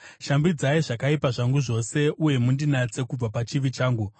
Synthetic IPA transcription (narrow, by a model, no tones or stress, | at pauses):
ʃambid͡zaiʐakaipaʐaŋɡuʐo̞se̞ʔuje̞mundinat͡se̞kub͡vapat͡ʃiʋit͡ʃaːŋɡu